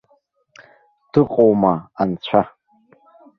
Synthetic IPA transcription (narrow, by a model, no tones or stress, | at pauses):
d̥ɨqʼowmaant͡ɕʷʰa